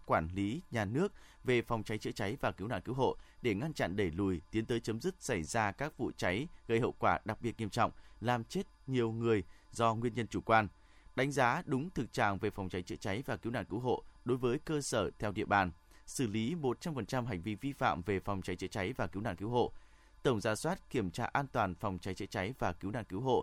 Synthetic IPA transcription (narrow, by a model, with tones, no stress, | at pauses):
kwaː˧˩nli˨˦ɲaː˨˩nɨ˦˥ək̚ve˨˩fɔ˨˩wŋ͡mt͡ɕa˨˦jt͡ɕɨ̰˧ət͡ɕa˨˦jvaː˨˩ki˨˦əwna̰ː˧˨nki˨˦wɦo̰˧˨ɗe˧˩ŋa˧nt͡ɕa̰˧˨nɗe˧˩lu˨˩jt̪i˨˦ənt̪əː˨˦jt͡ɕə˨˦mzɨ˦˥k̚sa˧˩jzaː˧kaː˦˥k̚vṵ˧˨t͡ɕa˨˦jɣə˧˩jhɦə̰˧˨wkwaː˧˩ɗa˨˩k̚ɓi˨˩ət̚ɲi˧əmt͡ɕɔ̰˧˨wŋ͡mlaː˨˩mt͡ɕe˦˥t̚ɲi˨˩əwŋɨ˨˩əjzɔ˧ŋwi˧ənɲə˧nt͡ɕu˧˩kwaː˧n | ɗa˨˦jŋ̟zaː˨˦ɗʊ˨˦ŋ͡mt̪ʰɨ˨˩k̚t͡ɕa̰ː˧˨ŋve˨˩fa˨˩ŋ͡mt͡ɕa˨˦jt͡ɕə̰˧˥t͡ɕa˨˦jvaː˨˩ki˨˦wna̰ː˧˨nki˨˦wɦo̰˧˨ɗo˨˦jvəː˨˦jkəː˧səː˧˩t̪ʰɛ˧wɗḭ˧əɓaː˨˩n | sɨ˧˩li˨˦mo˨˩t̚t͡ɕa˧mfə˨˩nt͡ɕa˧mɦa˨˩jŋ̟vi˧vi˧fa̰ː˧˨mve˨˩fɔ˨˩wŋ͡mt͡ɕa˨˦jt͡ɕə̰˧˥t͡ɕa˨˦jvaː˨˩ki˨˦wna̰ː˧˨nki˨˦wɦo̰˧˨ | t̪ə˧˩wŋ͡mzaː˧˩swaː˦˥t̚ki˧˩əmt͡ɕaː˧ʔaː˧nt̪waː˨˩nfɔ˨˩wŋ͡mt͡ɕa˨˦jt͡ɕə̰˧˥t͡ɕa˨˦jvaː˨˩ki˨˦wna̰ː˧˨nki˨˦wɦo̰˧˨